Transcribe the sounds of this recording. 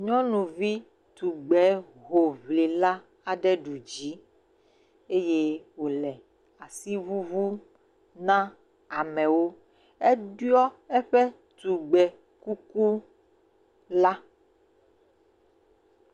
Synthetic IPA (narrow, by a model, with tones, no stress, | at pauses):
ɲɔ̃˦nũ˨vi˦ | t̪u˨ɡ͡bɛ˨˦ | ɣo˨βle˨la˦ | a˨ɖɛ˦ɖu˨d͡ʒi˨˦ | e˦je˦wo˨lɛ˨ | a˨si˦vu˦vu˦ | nã˦ | a˨mɛ̃˨wo˦ | ɛ˦ɖu˦ɔ˦ɛ˦ɸɛ˦ | t̪u˨ɡ͡bɛ˨ | ku˦ku˦ | la˦